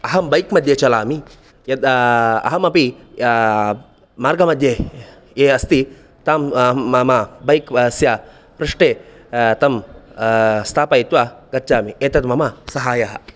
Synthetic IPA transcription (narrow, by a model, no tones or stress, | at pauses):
ɐɦɐmbɐjkmɐd̪ʱjet͡ʃɐlaːmi | jɐd̪ɐ̰ɦɐmɐpi | maːɾɡɐmɐd̪ʱje | eːɐst̪i | t̪aːmaːmɐbɐjksjɐ | pɾɪʂʈeː | t̪ɐm | st̪ʰaːpɐit̪ʋaɡɐt͡ʃaːmieːt̪ɐt̪mɐmɐsɐɦaːjɐɦɐ